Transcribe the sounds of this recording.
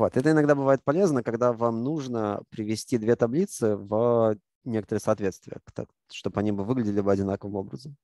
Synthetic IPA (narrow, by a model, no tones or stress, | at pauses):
vo̞t̪ɛt̪əɪnɐɡd̪abɨvajɪt̪̚pɐlʲe̞znəkɐɡd̪avamnuʐnəpɾʲɪvʲɪsʲtʲid̪vʲet̪ɐblʲit̪sɨv | nʲekət̪əɾɨxsɐt̪vʲe̞t̪st̪vʲɪjə̰kt̪a̰ | ʂt̪obɐnʲibɨvɨɡlʲɪdʲɪlʲɪbɨɐdʲɪnakəvɨmo̞bɾəzəm